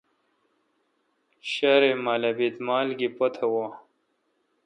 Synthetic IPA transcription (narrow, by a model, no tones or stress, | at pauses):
ɕaɾemalɐbit̪maːlɡipɐt̪ʰɐwa